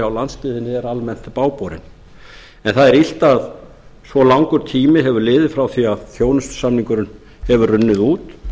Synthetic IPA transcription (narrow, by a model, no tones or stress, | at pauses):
awlanst̪ɪːðɪnːɪɛɾalmɛn̥t̪paːwpɔɾɪ̰n | ɛnθaðɛɾil̥t̪að | svɔlawŋkʏɾ̥t̪ʰiːmɪɦɛvʏɾlɪːðɪfɾawθiaðθjoːwnʏst̪samniŋkʏɾʏn | hɛvʏrʏnːɪðuːt̪